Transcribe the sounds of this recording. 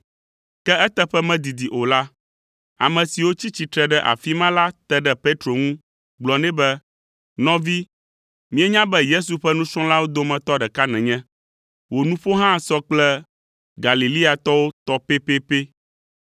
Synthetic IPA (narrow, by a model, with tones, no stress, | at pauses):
kɛ˦ɛ˦t̪ɛ˦ɸɛ˦mɛ̃˦d̪i˨d̪i˨ʔo˨la˦ | a̰˨mɛ̃˨si˨wo˦t͡ɕi˦t͡ɕi˨t̪ɾɛ˨ɖɛ˦ʔa̰˨fi˦mã˦la˦t̪ɛ˦ɖɛ˦pe˦t̪ɾo˨ŋũ˦ | ɡ͡blɔ˨nɛ̃˦bɛ˦ | nɔ̃˦vi˦ | mĩ˦ɛ˦ɲã˦bɛ˦je˦s̬u˨ɸɛ˦nũ˦sɔ̃˦la˦wo˦d̪o˦mɛ̃˨t̪ɔ˦ɖɛ˨ka˦nɛ̃˨ɲɛ̃˦ | wo˨nũ˦ɸo˦ɦã˦˨sɔ˦k͡plɛ˦ | ɡa˨li˨li˦a˨t̪ɔ˦wo˦t̪ɔ˦pe˦pe˦pe˦